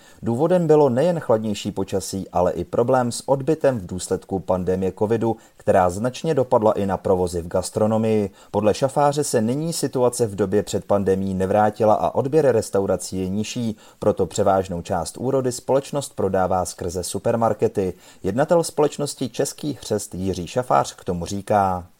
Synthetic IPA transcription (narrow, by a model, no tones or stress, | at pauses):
duːvo̞dɛmbɪlo̞nɛjɛnxladɲɛjʃiːpo̞t͡ʃasiːʔalɛʔɪpɾʔo̞blɛːmsʔo̞dbɪt̪ɛmvduːslɛt̪kupandɛmɪjɛko̞vɪdu | kt̪ɛɾaːznat͡ʃɲɛdo̞padlaʔɪnapɾo̞vo̞zɪvɡast̪ɾo̞no̞mɪjɪ | po̞dlɛʃafaːr̝ɛsɛnɪɲiːsɪt̪uat͡sɛvdo̞bjɛpr̥ɛt̪̚pandɛmɪjiːnɛvɾaːcɪlaʔa̰ʔo̞dbjɛɾɪɾɛst̪awɾat͡siːjɛɲɪʃiː | pɾo̞t̪o̞pr̝̥ɛvaːʒno̞wt͡ʃaːst̪ʔuːɾo̞dɪspo̞lɛt͡ʃno̞st̪̚pɾo̞daːvaːskr̩zɛsupɛɾmaɾkɛt̪ɪ | jɛdnat̪ɛlspo̞lɛt͡ʃnoscɪt͡ʃɛskiːxr̝̥ɛst̪jɪr̝iːʃafa̰ːr̝̥kt̪o̞mur̝iːkaː